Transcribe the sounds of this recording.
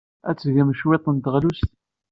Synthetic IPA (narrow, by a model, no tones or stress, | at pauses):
æt͡sːʝæmʃwet̪ˤənt̪ʁlust̪